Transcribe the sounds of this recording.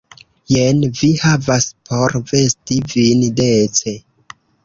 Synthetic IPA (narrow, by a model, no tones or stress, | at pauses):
jenvihavaspʰoɾvestivindet͡se̞